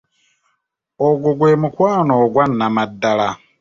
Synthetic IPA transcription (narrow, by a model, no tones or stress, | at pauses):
oɡuɡweːmukwaːnoɡwanːamadːala